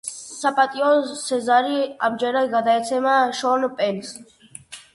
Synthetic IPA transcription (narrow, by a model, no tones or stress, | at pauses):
sapʼat̪ʼiɔsɛzaɾia̰bd͡ʒɛɾaɡad̪aɛt͡sʰɛmaʃɔnpʼɛns